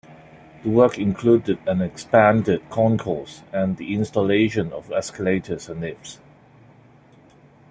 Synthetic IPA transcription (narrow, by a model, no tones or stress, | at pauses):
ðəwɜˑkɪ̃nkʰluːdɪdæ̃nɛkspæ̃ndɪd̚kʰɔ̃nkʰɔsæ̃nðiɪ̃nstəleɪʃə̃nɔvɛskəleɪtʰəzə̃nlɪps